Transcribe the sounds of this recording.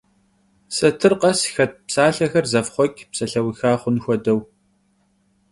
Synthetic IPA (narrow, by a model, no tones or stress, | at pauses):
sɐtʰɨrqɐsxɐt̚psaːɬɐxɐrzɐfχʷɔkʲʰʼpsɐɬɐwixaːχʷʊnxʷɔdɐw